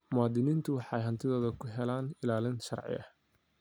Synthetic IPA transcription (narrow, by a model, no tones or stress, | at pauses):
mʊɑːd̪ɪniːnt̪ʰʊwɑħɑjɦɐnt̪ʰɪðɔːðɐkʰʊɦɛlaːnɪlaːlɪnʃɐ̰rʕɪ̰ɐ̰h